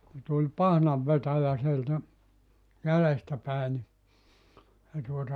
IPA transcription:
ku tulʲ pɑhnɑʋːetæjæ sieltæ jælestæ pæˑe ni se tuotɑ

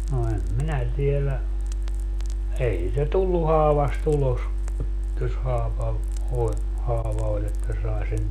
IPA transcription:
no em minæ tielæ ei siːtæ tulːu hɑːʋɑst ulos jos hɑːʋɑ olʲ hɑːʋɑ olʲ etːæ sɑe sen

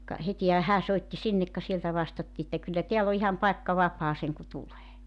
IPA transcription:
kɑ hetihæ hæː soitːi sinːek kɑ sieltæ ʋɑstɑtːiː etːæ kylːæ teælː o ihɑm pɑekːɑ ʋɑpˑɑː seŋku tuleː

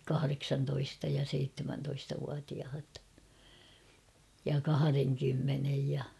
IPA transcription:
kɑhɑreksɑntoistɑ jɑ seitːemæntoistɑʋuɑtiɑhɑt jɑ kɑhɑreŋkymːenej jɑ

